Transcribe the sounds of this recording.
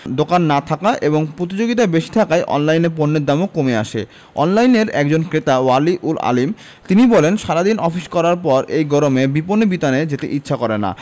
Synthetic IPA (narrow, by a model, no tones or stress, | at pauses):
d̪okanːat̪ʰakaʔeboŋpɾot̪̬id͡ʑoɡit̪abeʃi̥t̪ʰakajʔɔ̰nlajneɾp̬onːed̪amokomeaʃḛ | ɔ̰nlajneɾɛkd͡ʑonkɾet̪awaliʔula̰lim | t̪inibɔlenʃaɾad̪inʔɔfiʃkɔɾaɾpɔɾejɡɔɾomebiponːebit̪aned͡ʑet̪eʔitːɕʰakɔɾena̰